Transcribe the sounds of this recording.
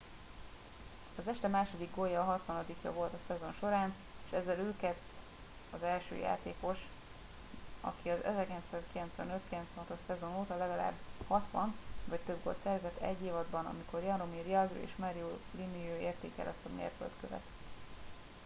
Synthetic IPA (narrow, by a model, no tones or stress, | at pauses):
ɒzɛʃt̪ɛmaːʃo̞d̪iɡɡo̞jːɒːɦɒt̪ʋɒnɒd̪ikjɒ̰vo̞lt̪ɒsɛzo̞nʃo̞ɾaːn | eʃɛzːɛløːkɛt̪ | ɒzɛlʃø̰ːja̰ːt̪eːko̞ʃ | ɒ̰kiɒzɛ̰zɛrkilɛnsaːskilɛnt̪sʋɛ̰nø̞t̪kilɛnt̪sʋɛnɦɒt̪oʃsɛzo̞noːt̪ɒlɛɡɒla̰ːbːhɒt̪ʋɒnvɒct̪øb̚ɡo̞̰lt̪sɛrvzɛt̪ːɛ̰ɟːeːvɒd̪bɒnɒ̰miko̞rjɒnɾomirjɒɡrḛːʃmɛɾiuliniøːeːrt̪ḛːkɛ̰lʔɒst̪ɒmḛrkø̰lt̪kø̰vɛ̰t̪